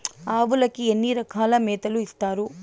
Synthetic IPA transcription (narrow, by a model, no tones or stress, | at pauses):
aːʋulɐkːienːiːɾɐkʰaːlɐmɛːt̪ɐluist̪aːɾu